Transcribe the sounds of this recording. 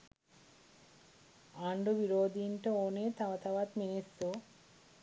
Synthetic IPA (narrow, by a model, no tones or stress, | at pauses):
aɳɖobiɾoːd̪ʱiɳʈɐoneːt̪ʰaʋɐt̪ʰaʋat̪minisːu